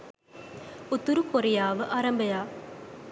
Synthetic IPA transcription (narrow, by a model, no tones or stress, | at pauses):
ʊt̪ːuɾukːɔɾɪjaːʋɯʔɐɾɐmbɐjaː